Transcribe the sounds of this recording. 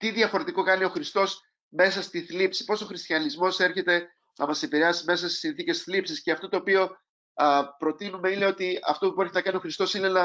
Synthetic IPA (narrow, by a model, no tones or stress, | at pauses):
t̪iðiɐfo̞ɾet̪iko̞kɐnio̞xɾist̪o̞s | me̞sɐst̪iθlipsi̥po̞so̞xɾist̪çɐnizmo̞se̞ɾçe̞t̪e̞ | nɐmɐse̞piɾe̞ɐsime̞sɐst̪i̥sinθice̞sθlipsisceɐft̪ot̪oːpio̞ | pɾo̞t̪inume̞ine̞o̞t̪iɐ̰ft̪o̞pue̞ɾçinɐkɐnio̞xɾist̪o̞sinenɐ